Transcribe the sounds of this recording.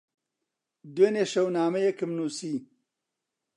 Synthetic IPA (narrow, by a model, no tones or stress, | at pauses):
d̪weːneːʃɐwnaːmɐjɐkɨmnuːsiː